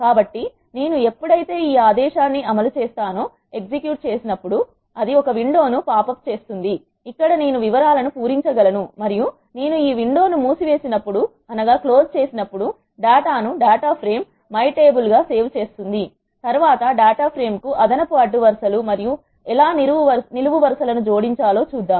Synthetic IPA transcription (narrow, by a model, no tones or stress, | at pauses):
kaːbɐʈːi | ne̞ːnue̞pːuɽɐjit̪e̞ːiːaːd̪ɛːʃaːnːiʔɐmɐlut͡ʃe̞ːst̪aːnoː | e̞ksikjuːʈ̚t͡ʃe̞ːsinɐpːuɽu | ɐd̪iɔkɐʋiɳɖo̞ːnupaːpɐp̚ːt͡ʃe̞ːst̪und̪iː | kːɐɽɐne̞ːnuʋiʋɐɾaːlɐnupuːɾiɲt͡ʃɐɡɐlɐnumɐɾiju | ne̞ːnuiːʋiɳɖo̞ːnumuːsiʋe̞ːsinɐpːuɽu | ɐnɐɡaːklo̞ːst͡ʃe̞ːsinɐpːuɽu | ɖaːʈaːnuɖaːʈaːpʰɾe̞ːmː | ɐjʈe̞ːbulɡaːse̞ːʋt͡ʃe̞ːst̪und̪i | t̪ɐɾʋaːt̪ɐɖaːʈaːpʰɾe̞ːmkuʔɐd̪ɐnɐpuɐɖːuʋɐɾsɐlumɐɾiju | ɛlaːniuʋɐniluʋuʋɐɾsɐlɐnud͡ʒo̞ːɽiɲt͡ʃaːlo̞ːt͡ʃuːd̪ːaːm